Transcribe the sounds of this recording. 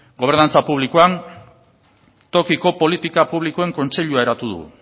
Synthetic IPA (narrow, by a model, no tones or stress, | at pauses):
ɡoe̞ɾnant͡sapuβ̞likoan | t̪o̞kiko̞po̞lit̪ikapuβ̞likoe̞ŋko̞nt͡se̞ʎuaeɾat̪uð̞ṵ